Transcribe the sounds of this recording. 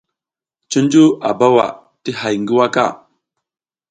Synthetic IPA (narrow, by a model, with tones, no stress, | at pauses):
t͡ʃi˦n˦d͡ʒu˦a̰˨ba˦wa̰˨ | ti˦ɦa˨jŋɡi˦wa˦ka̰˦˨